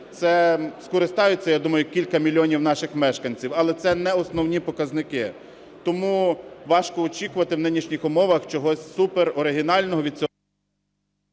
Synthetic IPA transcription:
t̪sɛskɔɾɪst̪ɑjʊt͡sʲːɐjad̪umɐjʊkʲilʲkɐmʲilʲiɔnʲiwn̪ɑʃɪxmɛʃkɐnʲt͡sʲiwɐlˠɛt̪sɛnɛɔsnɔwnʲipɔkɐznɪkɪ | t̪ɔmuʋɑʃkɔːt͡ʃʲikʊʋɐt̪ɪwnɪnʲiʃnʲixɔmɔʋɐxt͡ʃɔɦɔsʲsupeɾɔɾɪɦinɑlʲnɔɦɔʋʲid̪̚t͡sʲɔ

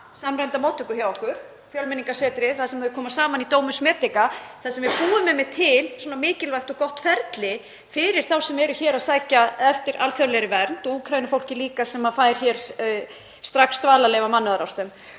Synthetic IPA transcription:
samɾajnt̪amɔːt̪ʏkʏhçawɔhkʏɾ̥ | fjœlmɪniŋkḁsɛːt̪ɾɪθaðsɛmɛðʏkʰɔːmasaːmanit̪oːwmʏsmɛːt̪ɪkaθaðsɛmvɪpuːʏmːɛmɛt̪ʰɪlsɔnamɪːcɪlvajxt̪ɔkɔht̪fɛɾt̪lɪ | fɪɾɪɾ̥θawsɛmɛɾʏçɛːɾaðsaːjcaɛft̪ɪɾʔa̰lfjœwlɛɾɪvɛɾnt̪ɔukʰɾajnʏfowl̥cɪliːkasɛmafaːjɾ̥çɛɾ̥ | st̪ɾaksːt̪vaːlalɛjvamanːʏðaɾawst̪ʏm

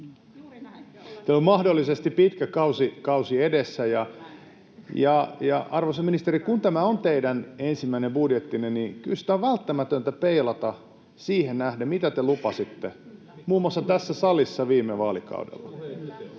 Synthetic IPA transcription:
t̪eolmɑhdolːisest̪ippit̪kækɑusikɑusiedesːæjɑ | jɑjɑɑrʋosɑminist̪eɾikunt̪æmæont̪eidænensimːæinembudjet̪ːinennikylsi̥t̪æoʋʋælt̪ːæmæt̪ønt̪æpeilɑt̪ɑ | siːhennæhdæmit̪æt̪elupɑsit̪ːe | muːmːwɑsːɑt̪æsːæsɑlisːɑʋiːmːeʋɑːlikɑ̰udḛlːɑ̰

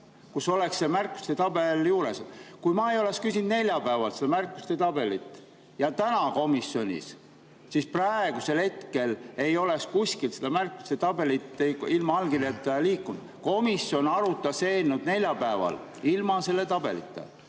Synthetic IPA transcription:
kuso̞lekssemærkːu̥st̪e̞t̪ɑbe̞ljuːɾeskujmɑejo̞le̞kskysʲind̪ne̞lʲjɑpæːvɑlsed̪ɑmærkˑːu̥st̪e̞t̪ɑb̥e̞lit̪ːˑ | jɑt̪ænɑko̞misːjo̞nʲḭs | sisprɑeɡ̥use̞lhe̞t̪ke̞le̞jo̞le̞kskusʲkilsed̪ɑmærkːu̥st̪e̞t̪ɑbe̞lit̪ːeilmɑɑlɡ̥ilet̪ːˑɑliːkːˑund̪̥ko̞misːjo̞nɑɾut̪ːˑɑseːnːud̪̥ne̞lʲjɑpæevɑ̰l | ilmɑse̞lːe̞t̪ɑb̥e̞̰lḭt̪ːˑḛ

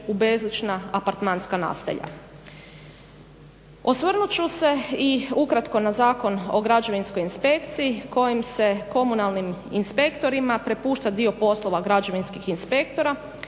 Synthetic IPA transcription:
ube̞zlit͡ʃnaapaɾt̪manskana̰ːst̪a̰ʎa̰ | osʋr̩nut͡ʃuse̞iukɾat̪ko̞nazaːko̞no̞̰ɡɾad͡ʒo̞ʋinsko̞jinspe̞kt̪sijiko̞jimse̞ko̞munalˠniminspe̞kt̪o̞ɾimapɾe̞puːʃt̪ad̪io̞po̞slˠo̞ʋaɡɾad͡ʒo̞ʋinskixinspe̞kt̪o̞ɾa

